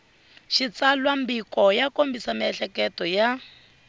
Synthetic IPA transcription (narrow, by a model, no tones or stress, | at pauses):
ʃit͡salwambikɔjakombisamiɛɬɛkɛtɔja